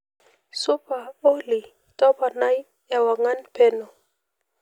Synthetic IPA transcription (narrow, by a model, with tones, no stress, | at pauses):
sʊ˦pa˨o˦li˨ | tɔ˦pa˨na˦j | ɛ˨wa˨ŋa˦npe˦nɔ˨